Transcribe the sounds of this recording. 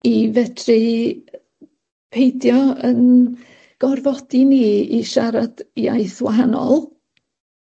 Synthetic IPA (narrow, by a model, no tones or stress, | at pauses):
ivɛdʰri | pʰejdjɔən | ɡ̥ɔrvɔd̥iniːiʃaɾad̥ja̰jθwaɦanɔ̰lˠ